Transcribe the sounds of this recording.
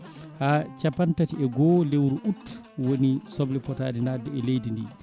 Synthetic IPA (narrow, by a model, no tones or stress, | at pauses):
haːt͡ʃapantatiɛɡɔːlewɾuʔutː | wonisɔblipɔtaːdinaːdɛɛlejdindḭ